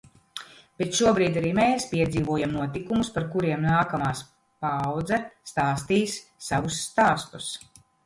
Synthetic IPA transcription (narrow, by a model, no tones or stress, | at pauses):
b̥et̪ʃuɔbɾiːd̪aɾiːmeːspiɛd̪ziːvuɔjamnuɔt̪ikumuspaɾkuɾiɛmnaːkamaːs | pawd̪zɛst̪aːst̪iːsːaʋusːt̪aːst̪u̥s